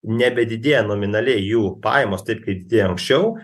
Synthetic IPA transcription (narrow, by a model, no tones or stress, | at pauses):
nʲɛbʲɛd̪ʲɪd̪ʲeːjɛnoːmʲɪnɐlʲɛɪjuːpɑ̰ːjmoːst̪ɐɪp̚kɐɪd̪ʲɪd̪ʲeːjoɐŋksʲt͡ʃʲɛʊ